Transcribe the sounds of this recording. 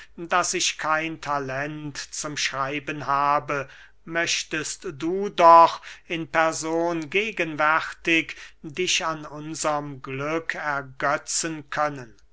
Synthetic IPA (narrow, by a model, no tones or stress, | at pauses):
dasɪʃkʰaɪntʰalɛntt͡sʊmʃʁaɪbənɦaːbə | mœʃtəstduːdɔχɪnpɛɐzoːnɡeːɡənvɛʁtɪkdɪʃanʊnzɐəmɡlʏkʰɛɐɡœt͡sənkʰœnən